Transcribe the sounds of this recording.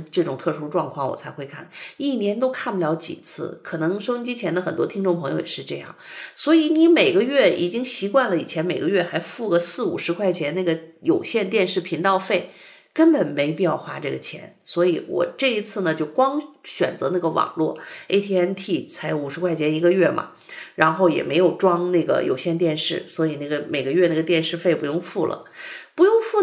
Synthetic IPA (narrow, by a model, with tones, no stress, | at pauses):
ʈ͡ʂɤ˥˩ʈ͡ʂʊ˨˩ŋt̪ʰɤ˥˩ʂu˥ʈ͡ʂwɑ˥˧ŋkʰwɑ˥˩ŋwɔ̰˨˩t͡sʰa˧˥ɪxwe˥˧ɪkʰa̰˥˩ni˥˩njɛ˧˥nt̪̬o˥ʊkʰa˥˩npu˩ljɑ˧˥ʊt͡ɕḭ˨˩t͡sʰɹ̩̰˥˩kʰɤ˨˩nɤ˧˥ŋʂo˥ʊi˥ŋt͡ɕi˥t͡ɕʰjɛ˧˥nd̪ə˧xə˨˩nt̪wɔ˥t̪ʰi˥ŋʈ͡ʂʊ˥˩ŋpʰɤ˧˥ŋjo˧ʊjɛ̰˨˩ʂɻ̩˧ʈ͡ʂɤ˥˧jɑ̰˥˩ŋswɔ˧˥i˧˥ni˧˥me˨˩ɪɡə˧˦ɥɛ˥˩i˨˩t͡ɕi˥ŋɕi˧˥kwa˥˩nlə˩i˨˩t͡ɕʰjɛ˧˥nme˨˩ɪɡə˦ɥɛ˥˩xa˧˥ɪfu˥˩ɡə˩sɹ̩˥˩ṵ˨˩ʂɻ̩˧˥kʰwa˥˩ɪt͡ɕʰjɛ˧˥nna˥˩ɡə˩jo˨˩ʊɕjɛ˥˧nt̪jɛ˥˧nʂɻ̩˥˩pʰi˧˥ŋt̪ɑ˥˧ʊfe˥˩ɪ | kə˥npə˨˩nme˧˥ɪpi˥˧jɑ˥˩ʊxwa˥ʈ͡ʂɤ˥˩ɡə˩t͡ɕʰjɛ̰˧˥nswɔ˧˥i˧˥wɔ̰˨˩ʈ͡ʂɤ˥˩i˧˥t͡sʰɹ̩˥˩nə˩t͡ɕjo˥˩ʊkwɑ˥ŋɕɥɛ̰˨˩nt͡sɤ˧˥na˥˩ɡə˩wɑ̰˨˩ŋlwɔ˥˩e˥ɪt̪ʰi˥ɛ˥nt̪ʰi˥˩t͡sʰa˧˥ɪjo˧˥u˨˩ʂɻ̩˧˥kʰwa˥˩ɪt͡ɕʰjɛ˧˥ni˧˥ɡə˧ɥɛ˥˩mʔɐ̰˩ | ɻa˧˥nxo˥˩ʊjɛ̰˨˩me˧˥ɪjo˨˩ʊʈ͡ʂwɑ˥ŋna˥˩ɡə̰˩jo̰˨˩ʊɕjɛ˥˧nt̪jɛ˥˧nʂɻ̩˥˩swɔ˧˥i˨˩na˥˩ɡə˩me˨˩ɪɡə˧˦ɥɛ˥˧na˥˩ɡə˩t̪jɛ˥˧nʂɻ̩˥˧fe˥ɪpu˧˥jʊ˥˧ŋfu˥˩lʔə̰˩pu˧˥jʊ˥˧ŋfu˥˩